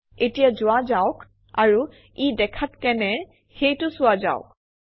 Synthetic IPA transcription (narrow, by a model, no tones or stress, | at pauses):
etijazʊwazaʊk | a̰ɹu | idɛkʰatkɛnɛ | xejtʊsʊaza̰ʊk̚